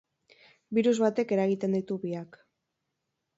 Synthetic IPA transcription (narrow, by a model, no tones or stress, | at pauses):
biɾuzβat̪e̞ke̞ɾaɣit̪e̞nd̪it̪uβiak